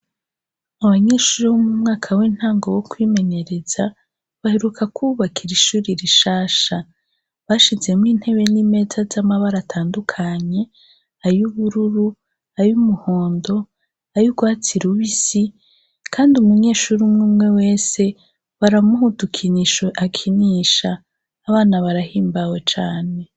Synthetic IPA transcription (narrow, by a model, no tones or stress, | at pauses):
aβaɲe̞ːʃuːɾiβomumŋaːkʰawiːn̥haːŋɡowokwiːme̞ɲe̞ɾe̞z̥a | βaheɾukʰakʰuːβakʰiɾiʃuːɾiɾiʃaːʃa | βaʃize̞miːn̥he̞βe̞nime̞zazamaβaɾatʰaːndukʰaɲe̞ | ajuβuɾuɾu | ajumuho̞ːndo̞ | ajuɡwaːt͡siɾuβisi | kʰaːndiumuɲe̞ːʃuɾimŋuːmŋe̞we̞ːse̞ | βaɾamuhutukʰiniʃoʔakʰiniʃaː | βaːnaβaɾahiːmbawe̞t͡ʃaːne̞